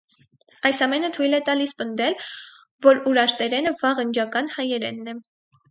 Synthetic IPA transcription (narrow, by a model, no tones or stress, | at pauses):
ɑjsɑmɛnət̪ʰujlɛt̪ɑlispənd̪ɛl | vɔɾuɾɑɾt̪ɛɾɛnəvɑʁənd͡ʒɑkɑnhɑjɛɾɛ̰nːɛ